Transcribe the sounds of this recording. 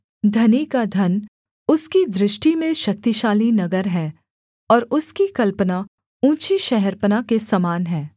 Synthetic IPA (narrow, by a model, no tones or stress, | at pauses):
d̪ʱɐnikad̪ʱɐn | ʊskid̪ɾɪʃʈimẽʃɐk̚t̪iʃaːlinɐɡəɾɦɛː | ɔːɾʊskikɐlpəna | ũːt͡ʃiʃɛɦɛɾpənakesɐmaːnɦɛː